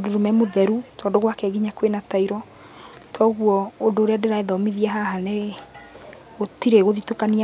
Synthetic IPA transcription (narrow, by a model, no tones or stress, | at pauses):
doɾomɛmoðɛɾutʰɔːdoɣwakɛɡiɲakwenataiɾɔ | tʰɔɣwɔodoːɾeadeɾaeðɔmiðiaɦaɦane | ɣotiɾeɣoðitokania